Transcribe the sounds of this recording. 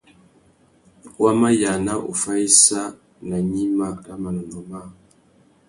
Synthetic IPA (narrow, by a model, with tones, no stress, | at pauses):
wa˦ma˦ja˨na˦ʔo̰˨fa˦i˦sa˦ | na˨ɲi˦ma˦a˦ma˨nə˨no˨ma˦˨